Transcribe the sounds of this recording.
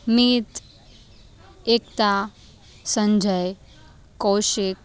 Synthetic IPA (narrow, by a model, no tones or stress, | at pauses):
miːt̪ | ekt̪a | sə̃ɲd͡ʒʱəj | kowʃek̚